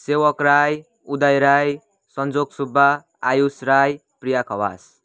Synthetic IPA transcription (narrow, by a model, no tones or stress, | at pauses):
sewʌkɾaj | ud̪ajɾaj | sʌnd͡zoɡsubʱːaː | jusɾajpɾijakʰʌwa̰s